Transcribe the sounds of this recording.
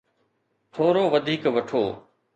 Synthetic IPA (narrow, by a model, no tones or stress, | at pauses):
t̪ʰoːɾoːʋɐd̪ʱiːkʋɐʈʰoː